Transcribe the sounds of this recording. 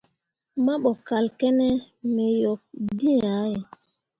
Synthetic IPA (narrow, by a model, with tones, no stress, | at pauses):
ma˦ɓɔ˨ka˨lkɛ˦nɛ˦ | mɛ˨jɔ˨k̚di˦a˨˦je˨